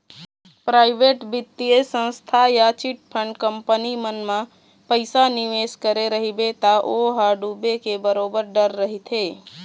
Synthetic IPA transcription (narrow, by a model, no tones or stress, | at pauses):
pɾaɪbeʈbɪt̪ːiəsə̃nst̪ʰajat͡ʃiʈ̚pʰəɳɖkəmpənimənmã | pəɪsaniʋeskəɾeɾəɦibet̪aʔoɦaɖubekebəɾobəɾɖəɾːəɦit̪ʰe